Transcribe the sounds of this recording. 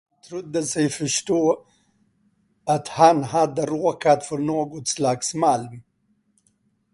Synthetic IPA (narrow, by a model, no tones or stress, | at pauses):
t̪ʰɾʊd̪ːəsɛjfœʂʈoː | at̪hanhad̪ːəɾoːkat̪fœɾnoːɡɔt̪slaksmalm